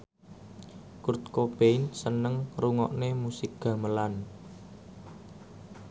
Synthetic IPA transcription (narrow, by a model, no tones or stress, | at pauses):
kurt̪̚kob̥ensənəŋruŋɔ̰ʔnemusɪk̚ɡ̥ä̤məlan